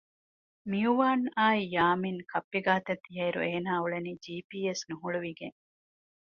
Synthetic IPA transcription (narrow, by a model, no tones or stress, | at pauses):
miuʋaːnaːijaːminkʰɐpːiɡaːt̪ɐt̪ːiɦɐiɾṵeːnaːuɭeniːd͡ʒiːpiːesnuɦuɭuʋiɡeŋ